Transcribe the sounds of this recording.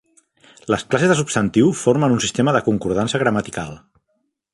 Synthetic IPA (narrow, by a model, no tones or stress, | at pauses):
ləsklasezðəs̬upst̪ənt̪iwfoɾmənunsist̪eməðəkuŋkuɾð̞ansəɣɾəmat̪ikalˠ